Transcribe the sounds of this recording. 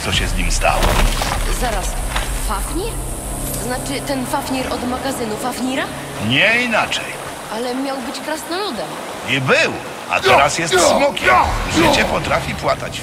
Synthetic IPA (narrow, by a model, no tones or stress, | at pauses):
t̪sɔɕɛzɲimst̪a̰wɔ̰zaɾasfafɲiɾ | znat͡ʂɘt̪ɛnfafɲiɾɔd̪maɡazɘnufafɲiɾa | ɲɛinat͡ʂɛ̰j | alɛmʲjawbɘt͡ɕkɾasnɔlud̪ɛm | jibɘw | a̰t̪ɛɾasjɛst̪smɔkʲɛmʐɘt͡ɕɛpɔt̪ɾafʲipwat̪a̰t͡ɕ